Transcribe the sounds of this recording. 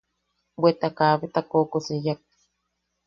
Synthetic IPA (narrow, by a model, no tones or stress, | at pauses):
bwet̪akaːβet̪akoːkosejak̚